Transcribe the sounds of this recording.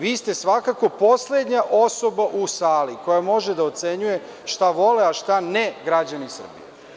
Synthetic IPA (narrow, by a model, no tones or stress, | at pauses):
ʋiːst̪e̞sʋakako̞po̞sled̪ɲaʔo̞so̞baʔusaːliko̞jamo̞ʒed̪aot̪se̞ɲuje̞ | ʃt̪aʋo̞leaʃt̪aneɡɾad͡ʑanisr̩bḭjḛ